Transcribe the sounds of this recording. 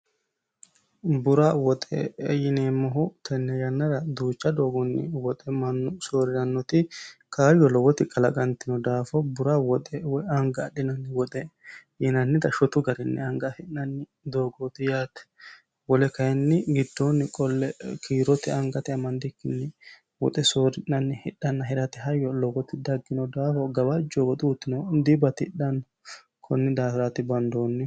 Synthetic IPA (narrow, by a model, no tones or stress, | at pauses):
bʊɾawɔt̪ʼɛ̰jɪneːmɔɦʊt̪ʰɛnːɛjɐnːɐɾɐd̪uːt͡ʃːɐd̪oːɡɔnːɪ̰wɔt̪ʼɛmɐnːʊsoːɾɪɾɐnːɔt̪ɪkʰaːjɔlɔwɔt̪ɪkʼɐlɐɡʼɐnt̪ɪnɔd̪aːfɔbʊɾawɔt̪ʼɛwɔɐŋɡɐːɗɪnɐnːɪwɔt̪ʼɛjɪnɐnːɪd̪ɐʃɔt̪ʊɡɐɾɪnːɛ̰ɐŋɡɐhɪnɐnːɪ | d̪oːɡoːt̪ɪjaːt̪ɛ̥ | wɔlɛkɐjɛnːɪɡɪd̪ːɔnːɪkʼɔlːɛkʰiːɾɔt̪ɪɐŋɡɐt̪ɪɐmɐnd̪ɪkːɪnːɪ | wɔ̰t̪ʼɛsoːɾɪʔːɐnːɪhɪɗɐnːɐɦɪɾɐt̪ɪɦɐjːɔlɔɡɔt̪ɪd̪ɐɡːɪnɔd̪aːfɔɡɐbɐd͡ʒɔɡɔt̪ʼuːt̪ːɪnɔd̪ɪbɐt̪ɪɪɗɐnːɐ | kʰɔnːɪd̪aːfɾɐt̪ɪbɐnd̪oːnːɪ